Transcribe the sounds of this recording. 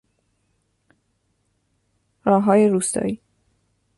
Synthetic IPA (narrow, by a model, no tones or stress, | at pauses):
ɾɒːɦɒːjeɾuːst̪ɒ̰ːiː